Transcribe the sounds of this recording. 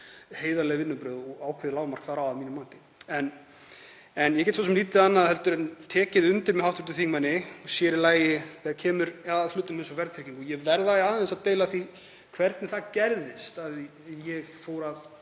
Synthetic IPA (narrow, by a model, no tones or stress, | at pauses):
heːjðalɛɣvɪnːʏpɾœːðɔɣaːwkʰvɪðɪlaːwmar̥kθaɾawaðmiːnʏmːaːnt̪ɪ̥ | ɛn | ɛnjɛcɛt̪sfas̬ɛmliːt̪ɪðanːaðhɛlt̪ʏɾɛnt̪ʰɛːcɪðʏnt̪ɪɾmɛawht̪ʏ̥ɾt̪ʏθiŋmanːɪɔsjɛːɾɪlaːjɪθiacʰɛːmʏɾɛaðflʏːt̪ɪnmɪnsɔvɛɾt̪ʰɾiciŋkɔjɛvɛɾðaaːðaɛnsaðt̪eːjlaθi | kʰvɛɾt̪nɪθaðcɛɾðɪst̪að | jɛɣfoːwɾað